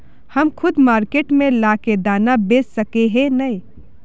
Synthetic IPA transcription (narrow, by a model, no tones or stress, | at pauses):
həmkʰʊd̪maːɾkeːʈmẽlaːked̪aːnabeːsːəkeɦenəi